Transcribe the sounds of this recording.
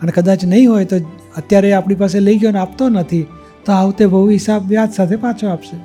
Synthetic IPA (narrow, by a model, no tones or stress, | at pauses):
ənekəd̪at͡ʃnəɦĩɦojt̪o | ət̪jaɾeapɳipaseləiɡjonapt̪onət̪ʰi | t̪oaũt̪ebʱəɦuɦɪsabʋjad̪sat̪ʰepat͡ʃʰoapʃe